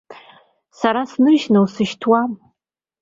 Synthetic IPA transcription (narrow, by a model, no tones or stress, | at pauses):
saɾasnɨʒnɨwsɨʃtʰwam